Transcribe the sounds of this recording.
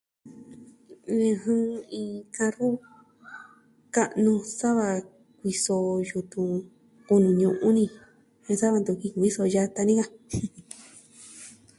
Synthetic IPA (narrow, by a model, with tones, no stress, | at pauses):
ẽ˧ɦɨ̃˦˧ĩ˧kã˧ɾu˦ | ka˦˧ʔnũ˧sa˦βa˧ | kʷi˧so˧ju˧t̪ũ˧ | ku˧nũ˧˨ɲũ˧ʔũ˦nĩ˧ | ẽ˧sa˦βa˧d̪u˧˨ki˧kʷi˦so˧ja˧t̪a˧nĩ˦ka˧